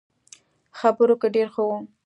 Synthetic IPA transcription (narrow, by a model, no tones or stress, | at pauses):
xabəɾokaɖeɾxowu